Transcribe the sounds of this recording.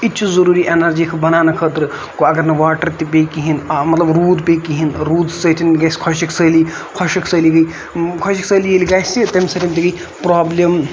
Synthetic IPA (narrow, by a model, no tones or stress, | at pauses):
itːt͡ʃʰuzɐɾuːɾiʔenɐɾd͡ʒikʰbɐnaːnɐkʰət̪ɾɨ | koɐɡɐɾnɐʋaːʈɐɾt̪ipekiɦinmɐt̪lɐbɾuːd̪peːkiɦinɾuːd̪sət̪ʰinɡɐskʰɔʃiksəːliː | kʰɔʃɐkʰsəliɡɐi | kʰɔʃiksəːlijeliɡaːsit̪ɐmsɐt̪ʰʲint̪iɡɐi | pɾaːblɐm